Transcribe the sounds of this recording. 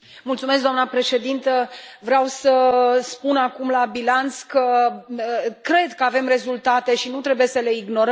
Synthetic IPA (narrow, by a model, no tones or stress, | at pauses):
mult̪sumesk̚ɡd̪oamnəpɾe̞ʃe̞d̪int̪əvɾeawsəspunakumlabilant̪skə | kɾe̞d̪kəave̞mre̞zult̪at̪e̞ʃinut̪ɾe̞buje̞səle̞iɡno̞ɾə